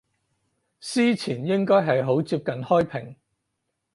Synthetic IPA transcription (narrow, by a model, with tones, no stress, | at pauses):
siː˥t͡sʰiː˨˩njɪ˥ŋkɔː˥jɦɐ˨jɦo˨˥wt͡siː˧p̚kɐ˨nhɔː˥jpʰɪ˨˩ŋ